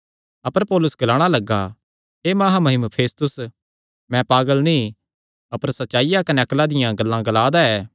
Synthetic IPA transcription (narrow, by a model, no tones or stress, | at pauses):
ɐpəɾpɔːlʊsɡɐlaːɽ̃alɐɡːa | ɦemaɦamɐɦɪmpʰeːst̪ʊs | mɛ̃paːɡəlnĩ | ɐpəɾsɐtːʃaːijakɐneɐklad̪ɪjãɡɐlːãɡɐlaːd̪aɛː